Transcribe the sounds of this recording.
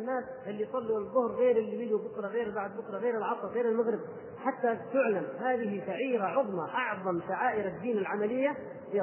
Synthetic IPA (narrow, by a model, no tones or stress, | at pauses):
nːaːsʔɪlːijsˤɑlːuwaðˤːʊhɾɣeːɾɪlːijɪd͡ʒubʊkɾˤɑɣeːɾbaʕd̪̚bʊkɾˤɑɣeːɾɪlʕɑt̪ˤɑlɣeːɾalmaɣɾɪb̚ | ħat̪ːat̪ʊʕlamhaːðɪɦiʃaʕiːɾaʕʊðˤmɑʔɑʕðˤɑmʃaʕaːʔɪɾad̪ːiːnalʕamalɪjːa | fi